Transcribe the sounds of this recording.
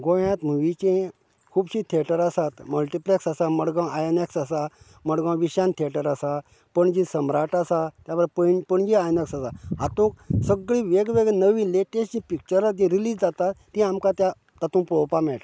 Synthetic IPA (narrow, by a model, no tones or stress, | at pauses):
ɡõʋjãt̪m̤uʋit͡ɕẽ | kʰuːbɕit̪ʰeʈəɾasat̪məlʈipleksasaməɽɡãwajeneksasa | məɽɡãwʋiɕant̪ʰieʈəɾasa | pəɳd͡ʑisəmɾaʈasat̪jaʋəɾpəpəɳd͡ʑiajneksasaat̪ũk̚səɡɭĩʋeɡʋeɡɭɛnəʋĩːleʈeɕt͡ɕĩpik̚t͡ɕəɾat̪ĩɾiliːd͡zd͡zat̪at̪ːĩamkat̪ja | t̪at̪ũːpowpamɛʈ